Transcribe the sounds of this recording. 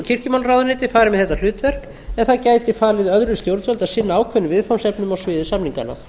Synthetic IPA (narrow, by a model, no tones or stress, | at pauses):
cʰɪr̥cɪmawlrawðʏɾnɪːt̪ɪfaːɾɪmɛðθɛt̪ːalʏːt̪vɛr̥k | ɛnθaðcaːjt̪ɪfaːlɪðœðɾʏst̪jowɾt̪vɛlt̪asɪnːaaːwkʰvɛnːʏvɪðfawnsɛpnʏmawsvɪːðʏsapniŋka̰nːa̰